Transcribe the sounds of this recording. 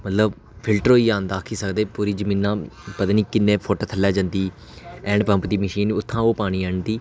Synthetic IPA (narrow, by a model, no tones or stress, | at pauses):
mət̪ləb | pʰɪlʈəɾoːiːaːnd̪aːkʰiːsəkd̪eːpuːɾiːd͡ʒəmĩːnːãːpət̪aːniːkɪnːẽːpʰoːʈoːt̪ʰəlːɛːd͡ʒə̃ːnd̪iː | ɛ̃ːɳɖpə̃mpd̪iːməʃiːnʊt̪ʰːãːoːpaːɽ̃iːɛ̃ːɳd̪iː